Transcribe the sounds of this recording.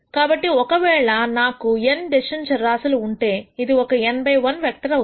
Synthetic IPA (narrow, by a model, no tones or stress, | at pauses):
kaːbɐʈːiɔkɐʋɛːɭɐnaːkuenɖ̪eʃɐɲt͡ʃɐɾaːsuluːɳʈe̞ːid̪iɔkɐembʱɐjʋɐnʋjɐk̚ʈɐɾɐ